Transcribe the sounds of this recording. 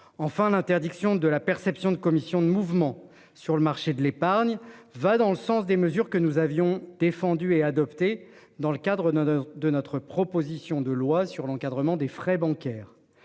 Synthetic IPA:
ɑ̃fɛ̃lɛ̃t̪ɛʁd̪iksjɔ̃d̪əlapɛʁsɛpsjɔ̃d̪əkɔmisjɔ̃d̪əmuvmɑ̃ | syʁləmaʁʃed̪əlepaʁɲvad̪ɑ̃ləsɑ̃sd̪eməzyʁkənuzavjɔ̃d̪̥efɑ̃d̪yead̪ɔpt̪e | d̪ɑ̃ləkad̪ʁəd̪ənɔt̪χəpχɔpozisjɔ̃d̪əlwasyʁlɑ̃kad̪ʁəmɑ̃d̪efχɛbɑ̃kɛːʁ

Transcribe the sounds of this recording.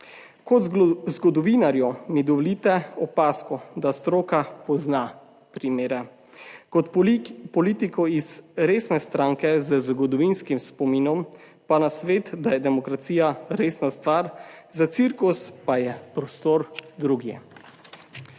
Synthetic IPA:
kɔd̪zzɡɔd̪ɔʋinaɾjɔmid̪ɔʋɔlit̪ɛɔpaːskɔd̪ast̪ɾoːkapɔzna | pɾimeːɾɛ | kɔt̪pɔliːt̪ikɔizɾeːsnɛst̪ɾaːŋkɛzəzɡɔd̪ɔʋinskimspɔminɔm | panasʋeːt̪d̪ajɛd̪ɛmɔkɾat̪siːjaɾeːsnast̪ʋaːɾzat̪siɾkuspajɛpɾɔst̪oːɾd̪ɾuɡjɛ̰

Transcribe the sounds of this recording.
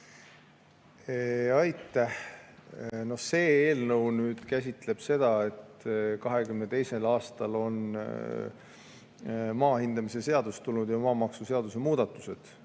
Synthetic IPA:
eɑjt̪ːæh | no̞hse̞ːeːlnɤwnyːd̪̥kæs̬ʲit̪ˑle̞b̥se̞d̪̥ɑe̞t̪ːkɑɦe̞kymnet̪e̞jse̞lɑːst̪ɑlo̞n | mɑːhind̪̥ɑmise̞se̞ɑd̪̥ust̪ːulnud̪̥jɑmɑːmɑksuseɑd̪̥use̞muːd̪ɑt̪ːˑu̥se̞d̪̥

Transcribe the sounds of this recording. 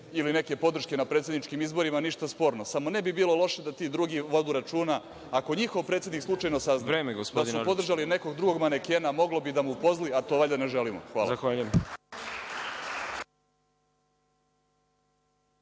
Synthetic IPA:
iline̞ke̞po̞d̪r̩ʃke̞napɾet̪sʲe̞d̪nit͡ʃkimizbo̞ɾimaniʃt̪aspo̞ːɾno̞samo̞ne̞bibiːlo̞lˠo̞ʃe̞d̪at̪iːd̪ɾuɡiʋo̞d̪uːɾat͡ʃuːna | ako̞ɲixo̞ʋpɾet̪sʲed̪nikslˠut͡ʃajnosaznaɾeːmeɡospdoad̪supo̞d̪r̩ʒaline̞ko̞ɡd̪ɾuɡo̞ɡmanekeːnamo̞ɡlo̞bid̪amupo̞zliat̪o̞ʋaʎaneʒelimo̰xʋaːlzaxʋaːʎujem

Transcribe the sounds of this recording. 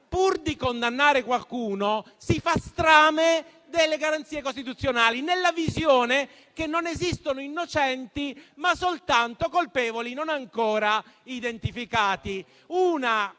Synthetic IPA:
purd̪ikond̪anːaːɾekwalkuːno | sifast̪ɾaːme | d̪elːeɡaɾant̪siːekost̪it̪ut̪sːjonaːlinelːavizjoːne | kenːonezist̪onoinːot͡ʃɛnt̪imasolt̪ant̪okolpɛːvolinonaŋkɔːɾaid̪ent̪ifikaːt̪i | uːna

